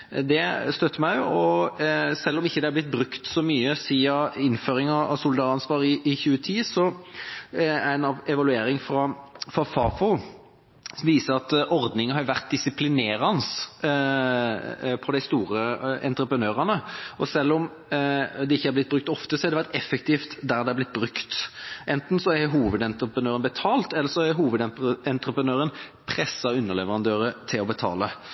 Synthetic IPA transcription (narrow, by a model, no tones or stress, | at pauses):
d̪ɛst̪œt̪ʰːəmæɪʊɔ | sɛlːɔmɪçːəd̪ɛæɾblɪt̪̚bɾʉkt̪sɔmyːəsiːɑɪnføːɾɪŋɑɑ̰sʊld̪ɑːʁɑnsʋɑːɾɪʔɪçʉːət̪ʰiːsɔ | ænɑɛʋɑlʉeːɾɪŋfɾɑfɾɑfɑːfɔ | sʋiːsəɾɑt̪ɔɾd̪nɪŋənhɑɾʋæʁt̪̚d̪ɪsɪpʰlɪneːɾɑns | pʰɔd̪æɪst̪uːɾəɛ̰nt̪ɾəpɾənøːʁɑnəɔsɛlːɔm | d̪ɛɪçːəæɾblɪt̪̚bʁʉk̚t̪ɔft̪əsɔhɛɾd̪ɛʋæɾt̪ɛfːɛk̚t̪ʰiːft̪d̪æɾd̪ɛæblɪt̪̚ːbɾʉkt̪ʔɛnt̪n̩sɔɛɦuːʋəd̪ɛnt̪ɾəpənøːʁənbət̪ʰɑːlt̪ɛlːəɾsɔæɾɦuːʋəd̪ɛɛnt̪ɾəpɾənøːɾənpʰʁɛsːɑʉnːəʁlɛʋəʁɑnd̪øːɾət̪ʰɪlɔbət̪ʰɑ̰ːlə